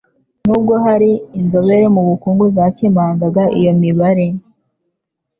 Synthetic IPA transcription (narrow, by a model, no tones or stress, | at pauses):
nuːb̚ɡo̞ɦaɾiːnzo̞βe̞ɾemuβukuːŋɡuzacimaːŋɡaɡaʔḭjo̞miβaɾe̞